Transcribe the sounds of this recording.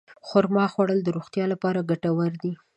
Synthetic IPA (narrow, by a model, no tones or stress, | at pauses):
xʊɾmɑxwaɽəld̪əɾoxt̪jɑlapɑɾaɡaʈawəɾd̪i